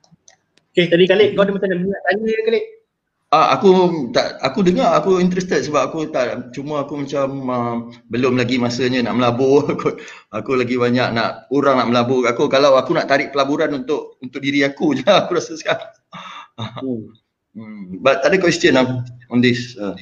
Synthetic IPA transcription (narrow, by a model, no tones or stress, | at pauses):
oket̪adikaleʔkawdəmat͡ʃanadəŋaʔt̪aɲujəkaleʔ | aʔa̰kut̪aʔakudəŋaakuint̪̬ɾɛst̪ət̪̚səbap̚akut̪aʔt͡ʃumaakumat͡ʃaməbəlʊmlaɡimasəɲə̃naʔməlaboku | akulaɡibaɲaʔnaʔuɾaŋnaʔməlabʊakukalawakunaʔt̪aɾɪʔpəlabuɾanunt̪ʊʔunt̪ʊk̚diɾiakud͡ʒaːkuɾasəska | bat̪̚ːadəkwɛst̪ənaɔndɪsa